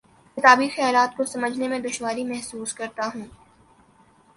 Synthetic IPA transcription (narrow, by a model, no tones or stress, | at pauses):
kɪt̪aːbixɛjaːlaːt̪̚kosɐməd͡ʒʱnemẽd̪ʊʃwaːɾimɛɦsuːskɐɾt̪aɦũː